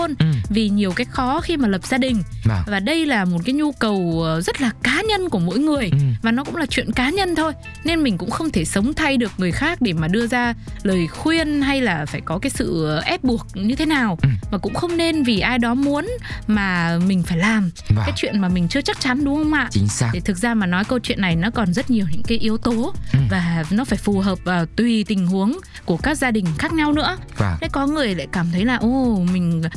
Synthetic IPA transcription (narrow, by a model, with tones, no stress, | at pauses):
ə˧nvi˨˩ɲi˨˩əwkaː˨˦jxɔ˨˦xi˧maː˨˩lə˨˩p̚z̥aː˧ɗï˨˩ŋ̟˨vaː˨˩ɗə˧jlaː˨˩mo˨˩t̚kaː˨˦jɲu˧kə˨˩wzə˦˥t̚laː˨˩kaː˨˦ɲə˧nku˧˩əmo̰˧˥˨jŋɨ˨˩əjvaː˨˩nɔ˨˦kʊ̰˧˥ŋ͡mlaː˨˩t͡ɕwḭ˧˨ənkaː˨˦ɲə˧nt̪ʰo˧j | ne˧nmï˨˩ŋ̟kʊ̰˧˥ŋ͡mxə˧wŋ͡mt̪ʰe˧˩sə˨˦wŋ͡mt̪ʰa˧jɗɨ˨˩ək̚ŋɨ˨˩əjxaː˦˥k̚ɗe˧˩maː˨˩ɗɨ˧əzaː˧ləː˨˩jxwi˧ənɦa˧jlaː˨˩faː˧˩jkɔ˨˦kaː˨˦jsɨ̰˧˨ʔɛ˦˥p̚ɓu˨˩ək̚ɲɨ˧t̪ʰe˨˦naː˨˩wmaː˨˩kʊ̰˧˥ŋ͡mxə˧wŋ͡mne˧nvi˨˩ʔaː˧jɗɔ˨˦mu˨˦ənmaː˨˩mï̟˨˩faː˧˩jlaː˨˩mkːaː˨˦jt͡ɕwḭ˧˨ənmaː˨˩mï˨˩ŋ̟t͡ɕɨ˧ət͡ɕa˦˥k̚t͡ɕa˨˦nɗʊ˨˦ŋ͡mhə˧wŋ͡mʔa̰ː˧˨ʔt͡ɕi˨˦ŋa˦ɗe˧˩t̪ʰɨ˨˩k̚zaː˧maː˨˩nɔ˨˦jkə˧wt͡ɕwḭ˧˨ənːa˨˩jnɔ˨˦kɔ˨˩nzə˦˥t̚ɲi˨˩əwɲɨ̰˧˥ŋkaː˨˦jʔi˨˧əwt̪o˨˦vaː˨˩nɔ˨˦faː˧˩jfu˨˩ɦəː˨˩p̚vaː˨˩wt̪wi˨˩t̪ï˨˩ŋ̟hu˨˦əŋ | ku˧˩əkaː˦˥k̚zaː˧ɗï˨˩ŋ̟xaː˦˥k̚ɲa˧wnɨ̰˧˥əva˨˩a̰˧˥jkɔ˨˦ŋɨ˨˩əjla̰ː˧˨jkaː˧˩mt̪ʰə˨˦jlaː˨˩ʔo˧˩mï˨˩ŋ̟